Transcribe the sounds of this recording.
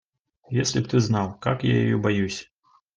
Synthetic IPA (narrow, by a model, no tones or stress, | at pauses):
jesʲlʲipt̪ɨznawkakja̰ja̰jɔbajusʲ